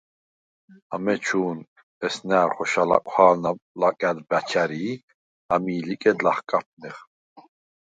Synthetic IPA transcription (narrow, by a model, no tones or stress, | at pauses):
amɛt͡ʃʰuːn | ɛsnaːɾχɔʃala̰kʷʼwaːlnalakʼad̪bat͡ʃʰaɾi | amiːlikʼɛd̪laχkʼap̚ʰnɛχ